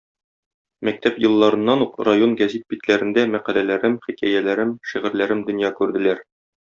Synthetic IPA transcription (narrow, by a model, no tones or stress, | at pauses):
mæk̚t̪æpjɤ̆lˠːɑɾɤ̆nːɑnuqrajo̞nɡæzit̪̚bit̪læɾɘ̆nd̪æmæqælælæɾɘmχikæjælæɾɘmʃiʁɘ̆ɾlæɾɘmd̪ɵ̆njɑkʉɾd̪ɘ̆læɾ